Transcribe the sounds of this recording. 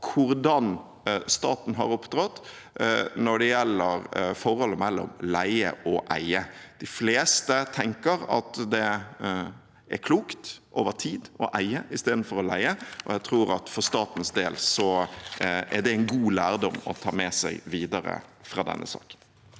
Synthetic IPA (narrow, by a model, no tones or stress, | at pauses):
kʰʊɾd̪ɑn | st̪ɑːt̪n̩ɦɑ̰ɾʊpt̪ɾɔt̪ː | nɔɖɛjɛlːəɾfɔɾhɔlːəmɛlːɔ̰mlæɪə̰ʔɔʔæɪəd̪̥ɪfleːst̪ət̪ʰɛŋkəɾɑ̰t̪d̪ɛ | æɾkʰluːkt̪ʔoːʋəɾt̪ʰiːd̪ɔʔæɪəʔɪst̪eːd̪n̩fɔɾɔlæɪəʔɔ̰jæɡt̪ʰɾuːɾɑt̪fɔɾst̪ɑːt̪n̩sd̪eːlsɔ | æɖɛæɪnɡuːlæːɾd̪ɔmɔ̰t̪ʰɑːmɛsæɪʋiːd̪ɑɾə̰fɾɑːd̪ɛ̰nːʔə̰sɑ̰ːkə̥n